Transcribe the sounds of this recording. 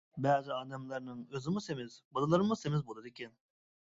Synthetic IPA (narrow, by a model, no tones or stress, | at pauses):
bɛːzɪɑd̪ɑmlˠɑɾnɯŋøzɪmusemɪzbad̪alˠaɾɯmusemɪzbolˠɯd̪ekʰʲɛn